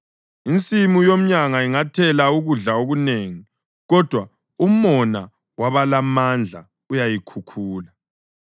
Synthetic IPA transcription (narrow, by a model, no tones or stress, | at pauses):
int͡sʼimujom̩ɲaŋaiŋatʰɛlauɣuɮaoɣuneːŋi | ɣɔd̥ʱwa | umɔna | waβalamand͡ɮʱa̰ | ujajikʰukʰuːla